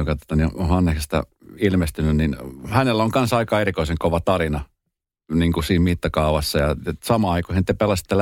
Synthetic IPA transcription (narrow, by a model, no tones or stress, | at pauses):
okɑt̪o̥t̪ɑniohɑnːehest̪ɑ̰ilmest̪ynynninhænelːoŋkɑnsɑikɑeɾikoiseŋkoʋɑt̪ɑrinɑ | niːŋkusiːmmit̪ːɑkɑuʋɑsːɑjɑsɑmɑɑikohint̪ːepelɑsi̥t̪ːel